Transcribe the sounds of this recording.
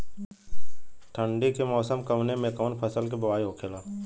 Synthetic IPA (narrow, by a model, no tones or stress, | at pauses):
ʈ̪ʰə̃ɳɖikemɔːsəmkəmnemẽkɔːnpʰəsəlkebɐʋaːiɦoːkʰeːlaː